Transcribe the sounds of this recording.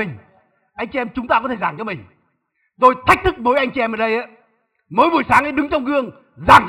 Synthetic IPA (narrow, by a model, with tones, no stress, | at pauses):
ŋ̟ | ʔa˧jŋ̟t͡ɕi˧ʔɛ˧mt͡ɕʊ˨˦ŋ͡mt̪aː˧kɔ˨˦t̪e˧˩zaː˧˩ŋt͡ɕɔ˨˧mï˨˩ŋ̟ | zo˧˩jt̪ʰa˦˥k̚t̪ʰɨ˦˥k̚mo˨˦jʔa˧jŋ̟t͡ɕi˧ʔɛ˧mʔəː˨˩ɗə˧jʔaː˨˦ | moː˨˦jvu˨˩əjsaː˨˦ŋʔa˨˦ɗɨ˨˦ŋt͡ɕɔ˧wŋ͡mɣɨ˧əŋ | zaː˨˩ŋ